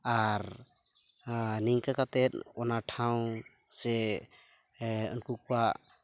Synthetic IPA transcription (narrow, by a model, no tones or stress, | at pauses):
aɾ | niŋkakat̪ɛt̪̚ɔnaʈʰaw̃ | sɛ | ɔ̰nkuk̚uwa